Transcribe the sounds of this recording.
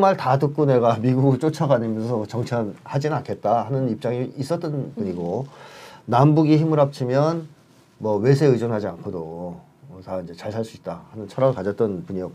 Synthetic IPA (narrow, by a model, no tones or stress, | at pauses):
maɭtatuk͈une̞ɡamiɡuɡɯt͡ɕ͈ot͡ɕʰʌɡaɲimjʌnsʰʌt͡ɕʌŋt͡ɕʰʌnhad͡ʑinankʰe̞t̚t͈ahanɯnip̚t͡ɕ͈aŋiːs͈ʌt͈ʌnpuɲiɡo | nambuɡiçimɯɾap̚t͡ɕʰimjʌn | mʌwe̞s̬ʰeɯd͡ʑonɦad͡ʑiankʰodo | taind͡ʑe̞t͡ɕaɭsʰaɭs͈uit̚t͈ahanɯnt͡ɕʰʌɾaɯɭkad͡ʑʌt͈̚ʌnpuɲiʌko